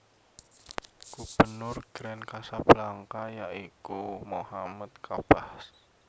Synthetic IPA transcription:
ɡ̥ub̥ənʊrɡ̥ɾɛnkasab̥əlaŋkajaʔikumohamat̪̚kʰab̥ahs

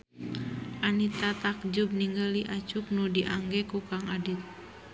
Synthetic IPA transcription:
ʔanit̪at̪ak̚d͡ʒub̚niŋɡaliʔat͡ʃuk̚nudiʔaŋɡɛkukaŋadit̪̚

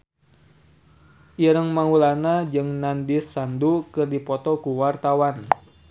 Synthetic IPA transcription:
ʔiɾəŋmaŋulanad͡ʒɨŋnandisandukɨrdipɔt̪ɔkuwart̪awan

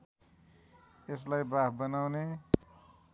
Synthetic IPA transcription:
es̬lajbaɦbʌnawne

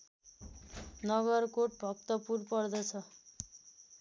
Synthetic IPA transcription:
nʌɡʌrkoʈ̚bʱʌk̚t̪ʌpurpʌrd̪ʌt͡sʰʌ

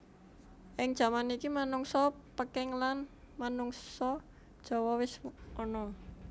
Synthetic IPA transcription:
ʔɪŋd̥ʒ̥a̤manikimanuŋsɔpəkɪŋlan | manuŋsɔ | d̥ʒ̥ɔ̤wɔwɪsʔɔnɔ

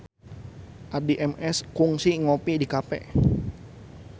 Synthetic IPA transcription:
ʔadiʔɛmɛskuŋsiŋopidikapɛ̰

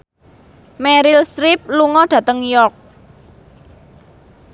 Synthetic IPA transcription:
mɛɾɪlst̪ɾip̚luŋɔɖ̥ä̤t̪əŋjɔrk̚

